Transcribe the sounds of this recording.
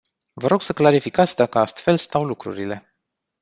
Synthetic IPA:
vəɾo̞ɡ̥səklaɾifikat̪sʲd̪akəast̪fe̞lst̪awlukɾṵɾile̞

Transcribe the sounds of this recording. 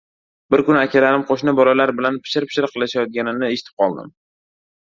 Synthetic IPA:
bɪɾkʊnakʲʰalaɾɪmqʰoʃnɪbɒlalaɾbɪlanpʰɪ̥ʃɪɾpʰɪ̥ʃɪɾqʰɨlˠaʃajɒt̪̚ɡʲanɪnɪe̞ʃɪ̥t̪ʰɪ̥p̚qʰɒlˠd̪ɪ̰m

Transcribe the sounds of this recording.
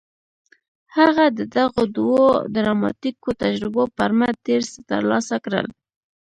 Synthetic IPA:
haɣad̪əd̪aɣod̪wod̪ɾɑmɑ̰t̪ikot̪ad͡ʒɾɪbopəɾmad̪eɾst̪ə̰ɾlɑsakɾə̰l

